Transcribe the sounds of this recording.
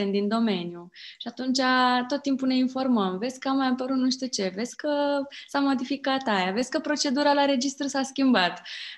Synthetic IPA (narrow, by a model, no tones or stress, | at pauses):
end̪ind̪o̞me̞njuʃiat̪unt͡ʃat̪o̞t̪ːimpune̞info̞rməmve̞t̪sʲkəamːajapəɾut̪nuʃt̪iut͡ʃe̞ve̞t̪sʲkəsamo̞d̪ifikat̪ajavet̪sʲkəpɾo̞t͡ʃe̞d̪uɾalaɾe̞d͡ʒist̪ɾusaskʲimbat̪